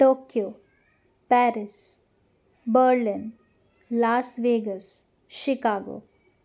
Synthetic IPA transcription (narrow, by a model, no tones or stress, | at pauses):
ʈoːkjo | pɛːɾɪs | bəɾlin | laːsʋeːɡəs | ʃɪkaːɡo̰ː